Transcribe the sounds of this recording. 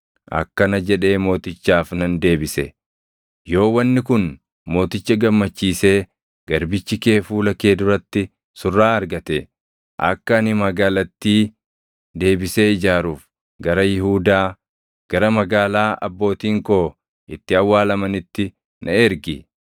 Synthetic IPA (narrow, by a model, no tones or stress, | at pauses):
ʔɐ̰kːɐnɐd͡ʒɛᶑe̞ːmo̞ːt̪ɪt͡ʃːaːfnɐnd̪e̞ːbɪsɛ | jo̞ːwɐnːɪkʊn | mo̞ːt̪ɪt͡ʃːɐɡɐmːɐt͡ʃːiːse̞ː | ɡ̥ɐɾbɪt͡ʃːɪke̞ːfuːlɐke̞ːd̪ʊɾɐt̪ːɪ | sʊrːaːɐɾɡɐt̪ɛ | ʔɐ̰kːɐnɪmɐɡaːlɐt̪ːiː | d̪e̞ːbɪse̞ːɪd͡ʒaːɾuːf | ɡɐɾɐjɪhuːd̪aː | ɡ̥ɐɾɐmɐɡaːlaːʔɐ̰bːo̞ːt̪iːŋko̞ː | ɪt̪ːɪɐwːaːlɐmɐnɪt̪ːɪ | nʔɐɛɾɡɪ